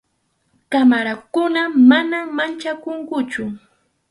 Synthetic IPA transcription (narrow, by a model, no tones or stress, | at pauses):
kamaɾakʊnamanamant͡ʃakoŋkʊt͡ʃʊ